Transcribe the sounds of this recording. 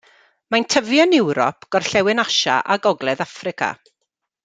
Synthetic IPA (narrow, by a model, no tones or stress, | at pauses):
mantʰəvjɔnɪwɾɔ̰pʰɡ̥ɔrɬɛwɪnaʃa̰ʔaɡɔɡlˠɛðafrɪkʰa̰